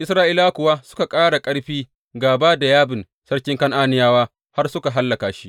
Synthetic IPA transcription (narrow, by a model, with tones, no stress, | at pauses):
ʔɪ˦sɾaː˦ʔi˦laː˦kʷʊ˨wa˦sʊ̥˦ka˨kʼaː˦ɽa˨kʼɐ˦ɽɸiː˦ | ɡaː˨baː˦da˨jaː˦bɪ˨n | sɐ˦ɽkʲɪ˦ŋkɐ˦ŋʔaː˦nɪ˦jaː˦waː˦ | ha˦rsʊ˦ka˨ɦa˦lːɐ˨kaː˨ʃi̥˦ʔ